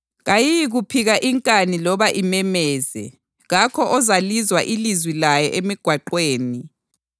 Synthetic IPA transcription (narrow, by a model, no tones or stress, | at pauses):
ɣajijɣupʰiɣaʔiŋkʼanilɔβaʔimɛmɛːzɛ̰ | ɣakʰɔʔɔzalizwaʔilizwilajɛʔemiɡ̥ʱwaǃweːni